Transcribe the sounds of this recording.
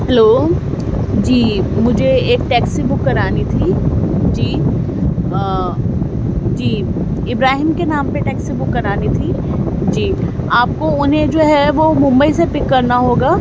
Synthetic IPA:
ɦɛloː | d͡ʒiːmʊd͡ʒʱeeːk̚ʈɛːksibʊkːɐɾaːnit̪ʰid͡ʒiː | d͡ʒiː | ɪbɾaːɦiːmkenaːmpeʈɛːksibʊkːɐɾaːnit̪ʰiː | d͡ʒiːaːp̚koʊnɦẽd͡ʒoːɦɛʋomʊ̃mbəisepɪkːɐɾnaɦoːɡaː

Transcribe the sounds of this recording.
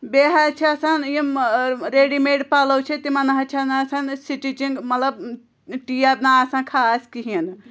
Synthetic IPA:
beɦat͡ʃʰiɐsanjimɾeːɖimeɖpaːlowt͡ʃʰit̪imɐnaɦɐt͡ʃʰɐnːsansiʈit͡ʃiŋɡmɐt̪ləb̚ | ʈiabnaːsãnkʰaːskiɦin

